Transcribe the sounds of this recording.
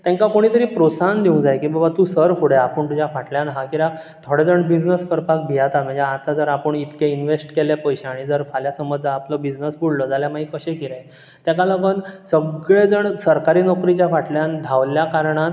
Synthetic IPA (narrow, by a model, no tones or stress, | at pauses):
t̪ɛ̃ŋkakoɽ̃iːt̪əɾiːpɾosand̪iũŋɡd͡zajkiːbabat̪uːsəɾfuɽeapəɳt̪ud͡ʑjafaʈljãnɦakiɾa | t̪ʰoɽed͡zəɳbid͡znəskəɾpak̚bʱijat̪at̪m̤ə̃d͡zaat̪ʰad͡zəɾapəɳit̪keinʋesʈkelepəjɕeaɽ̃id͡zəɾfaljasəmːəd͡zaːpləbid͡znəsbuɽlɔd͡zaljamaɦikəɕekiɾẽ | t̪ɛkalapənsəɡɭed͡zəɳsəɾkaɾiːnɔkɾit͡ɕjafaʈljand̪ʱaʋljakaɾɳat̪